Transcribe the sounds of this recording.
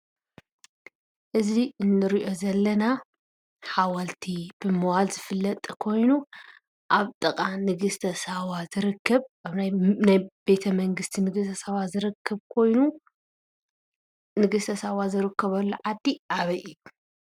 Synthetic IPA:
ʔɨziɨnːɨɾiʔo̞zɐlːɐna | ħawalt̪ʰib̥ɨmɨwalzɨfɨlːɐt̪ʼkʰo̞jnu | ʔaβt̪ʼɨkʼanɨɡɨst̪ʰɐsawazɨɾɨkʰːɐβaβnajnajb̥e̞t̪ʰɐmɐŋɡɨst̪ʰinɨɡɨst̪ʰɐsawazɨɾɨkʰːɐβkʰo̞jnu | nɨɡɨst̪ʰɐsawazɨɾɨkʰːɐβɐlːuʕad̪ːiʔaβɐjiju

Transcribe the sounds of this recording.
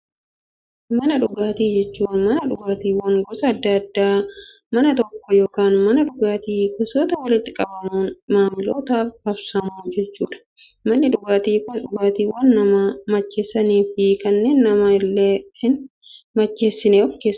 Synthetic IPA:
mɐnɐᶑʊɡaːt̪iːd͡ʒɛt͡ʃːuːnmɐnɐᶑʊɡaːt̪iːwɐŋɡɔsɐːd̪ːɐɐd̪ːaː | mɐnɐt̪ɔkːɔjo̞ːkaːnmɐnɐᶑʊɡaːt̪iːkʊsoːt̪ɐwɐlɪt̪ːɪkʼɐbɐmuːnmaːmɪloːt̪aːfhɐbsɐmuːd͡ʒɛt͡ʃːuːᶑɐ̥ | mɐnːɪᶑʊɡaːt̪iːkʊnᶑʊɡaːt̪iːwɐnːɐmɐmɐt͡ʃːeːsːɐniːfɪkɐnːe̞ːnːɐmɐɪlːeːhɪn | mɐt͡ʃːe̞ːsːɪneɔfke̞ːsːɐ

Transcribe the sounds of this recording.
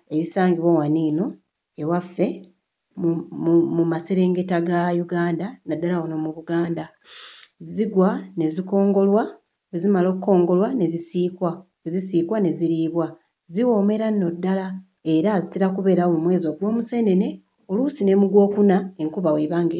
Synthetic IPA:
e̞βisaːŋɡiβowaniːno̞ | e̞wafːe̞ | mumaseɾe̞ːŋɡe̞taɡajuɡaːndanadːalawono̞muβuɡaːnda | zziɡwane̞ziko̞ːŋɡo̞lwa | ezimalo̞ːkuko̞ːŋɡo̞lwane̞zisiːkwa | ezisiːkwane̞ziɾiβwa | ziwo̞ːme̞ɾano̞dːala | e̞ɾaziteɾakuβe̞ɾaoumwe̞ːzo̞ɡwo̞ːmuse̞ne̞ne̞ | o̞luːsine̞muɡwo̞ːkunae̞ŋkuβaweβaːŋɡe

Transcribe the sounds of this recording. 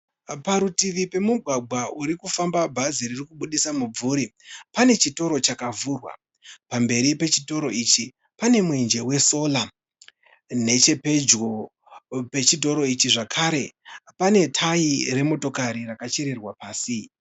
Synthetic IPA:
paɾutiʋipe̞muɡʱwaɡʱwauɾikufambabʱaziririkuɓuɗisamub͡vuɾipane̞t͡ʃito̞ɾo̞t͡ʃakavurwa̰ | pambe̞ɾipe̞t͡ʃito̞ɾo̞it͡ʃi | pane̞mwend͡ʒe̞we̞so̞la | ne̞t͡ʃe̞pe̞d͡ʒɡo̞ | pe̞t͡ʃid̬ʱo̞ɾo̞it͡ʃiʐakʰaɾe̞pane̞tʰaire̞mo̞to̞kaɾirakat͡ʃeɾe̞rwapaːsi

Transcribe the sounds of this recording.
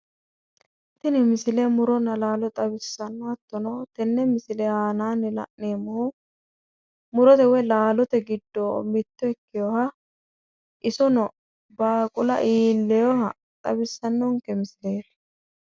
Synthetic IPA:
t̪ːɪnɪmɪsɪlɛmʊɾɔnɐlaːlɔt̪ʼɐbɪsːɐnːɔɐt̪ːɔnɔt̪ɛnːɛmɪsɪlɛhaːnaːnːɪlɐ̰ʔneːmːɔhʊ | mʊɾɔt̪ɛwɛlaːlɔt̪ɛɡɪd̪ːɔmɪt̪ːɔɛkːɪjɔhɐ | ʔɪsɔnɔ | baːkʼʊlɐ̰ʔiːlːɛjɔhɐ | t̪ʼɐbɪsːɐnːɔŋkɛmɪsɪleːɾ

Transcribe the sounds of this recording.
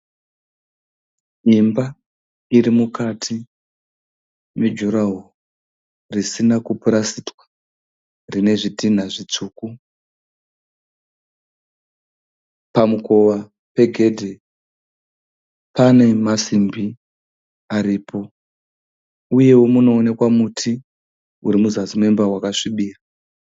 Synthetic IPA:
imba | iɾimukatʰi | med͡ʒuɾaɦu | risinakupuɾasitwḁ | rine̞ʐitin̤aʐit͡suːku | pamuko̞ʋa | pe̞ɡʱe̞dʱe | pane̞masimbi | aɾiːpʰo̞ | uje̞wo̞muno̞ːne̞kwamutʰi | uɾimuzazimwe̞mbawakaʂiɓiːra

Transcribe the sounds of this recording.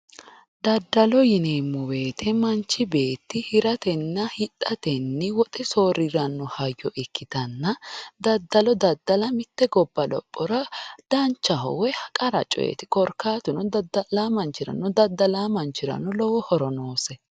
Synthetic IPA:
d̪ɐd̪ːɐlɔjɪneːmːʊwe̞ːt̪ʰɛmɐnt͡ʃːɪbe̞ːt̪ːɪhɪɾɐt̪ɛnːɐhɪt̪ʼːɐt̪ɛnːɪwɔt̪ʼɛsoːɾɪɾɐnːɔhɐjːɔʔɪkːɪt̪ɐnːɐd̪ɐd̪ːɐlɔd̪ɐd̪ːɐlɐmɪt̪ːɛɡɔbːɐlɔ̰pʼːɔɾɐd̪̥ɐnt͡ʃːɐɦɔ̰wɛhɐkʼɐɾɐ̰t͡ʃʼɔ̰jɛ̰t̪ɪkʼɔɾkʰːaːt̪ʊnɔd̪laːmɐnt͡ʃːɪɾɐ̰nːɔd̪ɐd̪ːɐlaːmɐnt͡ʃːɪɾɐ̰nːɔlɔwɔhɔɾɔno̞ːsɛ

